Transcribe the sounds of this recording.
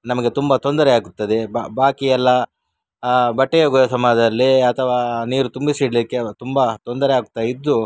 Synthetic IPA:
nɐmɐɡe̞t̪umbɐt̪o̞nd̪ɐɾeaːɡut̪ːɐd̪e̞bbʱaːkijɛlːɐ | bɐʈːejoɡujɐsɐmaːd̪ɐɐlːiɐt̪ʰɐʋaːniːɾut̪umbisiɽlikːe̞t̪umbɐt̪o̞nd̪ɐɾeaːɡut̪ːɐid̪ːu

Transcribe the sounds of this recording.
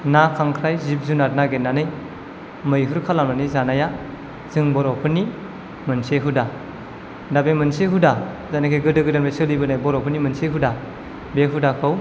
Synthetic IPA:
nakʰaŋkʰɾajzip̚zunat̚naɡenːanɯj | mɯjɦɯɾkʰalamanizanaja | zɯŋbɔɾɔpʰɯni | mɯnseɦuda | dabemɯnseɦuda | zanakʰeɡɯdɯɡɯdanbesɯlibɯnajbɔɾɔpʰɯnimɯnseɦuda | beɦudakʰɯw

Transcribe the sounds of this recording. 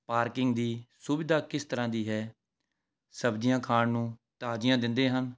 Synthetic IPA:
paːɾkɪŋɡd̪iːsʊbɪd̪aːkɪst̪əɾãːd̪iːɦɛː | səbd͡ʒɪjãːkʰaːɳnũːt̪aːd͡ʒɪjãːd̪ɪnd̪eːɦən

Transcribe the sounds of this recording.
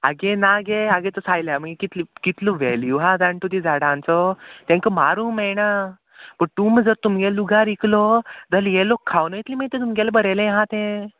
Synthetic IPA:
aɡenaɡeaɡẽt̪əsajljam̤əŋɡekit̪likit̪loʋɛljuɦad͡zãɳʈut̪id͡zaɽãnt͡sɔt̪ɛ̃ŋkəmaɾumɛjna | bət̪uməd͡zəɾt̪umɡɛluɡaɾiklɔd͡z̪əljelokʰːawnəjit̪liːməjt̪ẽt̪̬umɡɛlbəɾelẽɦãt̪ẽ

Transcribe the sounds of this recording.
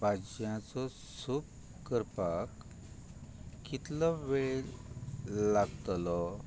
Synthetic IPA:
bʱad͡ʑjãt͡sɔ | sup̚ | kəɾpak | kːit̪lɔʋel | laɡt̪lɔ

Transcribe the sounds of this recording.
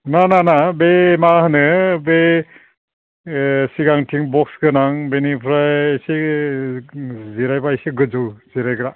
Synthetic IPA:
nananabemahɯnɯbe | siɡaŋtʰiŋbɔksɡɯnaŋbenipʰɾajjse | ziɾajbajseɡɯzɯwz̥iɾajɡɾa

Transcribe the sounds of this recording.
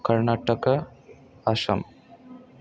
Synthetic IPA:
kɐɾnaːʈɐkɐ | ɐʃɐ̰m

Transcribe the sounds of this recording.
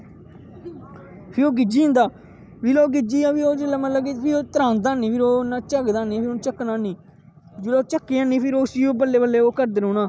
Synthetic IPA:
pʰɪɾoːɡɪd͡ʒiːʊ̃nd̪aː | ʋiloːɡɪd͡ʒiːaːpiːoːd͡ʒɪlamət̪ləbkepʰɪɾoːt̪əɾãːnd̪aːnĩːpʰɪɾoːnːãːt͡ʃəɡd̪aːniːaːpʰɪɾont͡ʃəkːnaːniː | d͡ʒɪlat͡ʃəkːiːãːniːpʰɪɾoːsiːoːbəlːeːbəlːeːoːkəɾd̪ɪɾõːnaː

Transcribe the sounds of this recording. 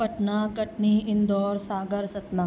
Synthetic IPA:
pɐʈnaːkɐʈɳiːʔɪnd̪ɔːɾsaːɡɐɾsɐt̪naː

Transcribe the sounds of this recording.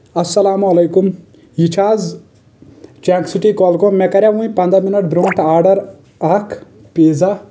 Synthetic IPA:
ɐsːɐlaːmuɐlejkum | jit͡ʃʰaːz | t͡ʃaŋksiʈikɔlkomekɐɾʲjaʋũĩpɐnd̪aminɐʈ̚bɾõːɳʈʰaːɾɖɐɾ | akʰ | peːd͡za

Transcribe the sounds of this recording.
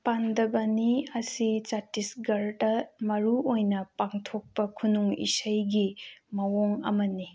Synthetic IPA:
pandɐbɐniɐsit͡ʃatisɡɐɾdɐmɐɾuojnɐpaŋtʰok̚pɐkʰunuŋḭsɐjɡimɐwoŋɐ̰mɐni

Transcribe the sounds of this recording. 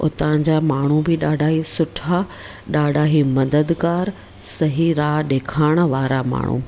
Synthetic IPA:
ʊ̰t̪ãd͡ʑamaːɳ̤ubɪɗaːɖʱaːɦisʊʈʰa | ɗaːɖʱaːɦimɐd̪əd̪ɡaːɾ | sɐɦiɾaːɗeːkʰaːɪɽ̃ə̆ʋaːɾama̰ːɳ̤ṵ̃ː

